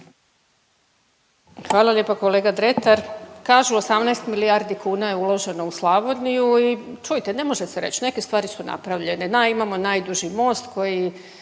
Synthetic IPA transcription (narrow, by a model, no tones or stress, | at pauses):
xʋaːlˠalʲje̞poko̞le̞ːɡad̪ɾe̞t̪aɾkaːʒuosamnajst̪milijaɾd̪ikuːnaje̞ulˠo̞ʒe̞nouslˠaβo̞d̪nijuit͡ʃujit̪e̞ne̞mo̞ʒeseɾe̞t͡ɕne̞ke̞st̪ʋaːɾisuna̰pɾaʋʎe̞ned̪aimamo̞naːjd̪uʒimo̞ːst̪kʰo̞ji